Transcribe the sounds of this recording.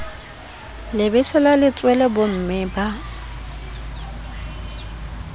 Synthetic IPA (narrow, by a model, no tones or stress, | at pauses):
lɪbɪsɛlalɪt͡sʼwɛlɛbʊm̩mɪba